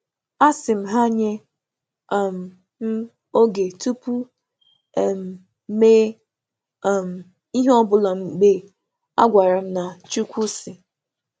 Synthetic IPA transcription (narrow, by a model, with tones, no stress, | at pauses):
a˦sɪ˨m̩˦ɦa˦ɲe˦˨ | m̩˨ | m̩˦ | o˦ɡe˨tu˦pu˦˨ | m̩˨ | me˦˨ | m̩˨ | i˦ɦɔ˦bʊ˨lɔ˨ŋ͡m̩˨ɡ͡be˦ | a̰˦ɡʷa˨ɾa˨m̩˦na˨t͡ʃu˦kʷu˦sɪ˨